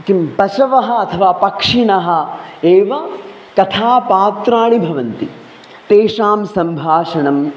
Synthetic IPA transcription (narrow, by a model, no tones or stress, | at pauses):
kimpɐʃɐʋɐɦɐ̆ɐt̪ʰɐʋaːpɐkʂiɳɐɦɐ̆eːʋɐ | kɐt̪ʰaːpaːt̪ɾaːɳibʱɐʋɐnt̪ḭ | t̪eːʂaːmsɐmbʱaːʂɐɳɐm